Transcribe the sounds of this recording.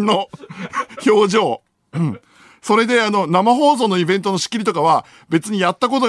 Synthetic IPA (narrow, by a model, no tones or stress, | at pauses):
no | ço̞ːʑo̞ː | ɯ̟̃ɴ | so̞ɾe̞d̪e̞ano̞namaɦo̞ːzo̞ːno̞ibẽ̞nt̪o̞no̞ɕi̥kʲiɾʲit̪o̞kaβa | be̞t͡sɨɲ̟ijat̪ːak̬o̞t̪̬o